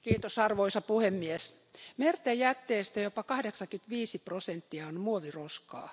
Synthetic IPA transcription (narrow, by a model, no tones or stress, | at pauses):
kiːt̪osɑrʋoisɑpuhemːies | mert̪ejæt̪ːeːst̪æjopɑkɑhdeksɑkyt̪ʋiːsiprosent̪ːiɑonmuoʋiroskɑ̰ː